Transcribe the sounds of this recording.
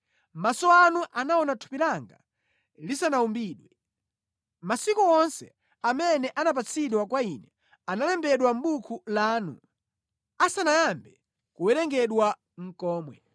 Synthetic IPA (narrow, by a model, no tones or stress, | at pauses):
masɔanuʔanaɔnatʰu̥pilaŋɡa̰ | lisanaumbiːɗwɛ | masikuɔnsɛ̰ | amɛnɛʔanapat͡sʰiɗwakwainɛ | analɛmbɛɗwam̩ɓukʰulaːnṵ | asanajambɛ | kuwɛɾɛŋɡɛɗwa | ŋ̩kɔːmwɛ̰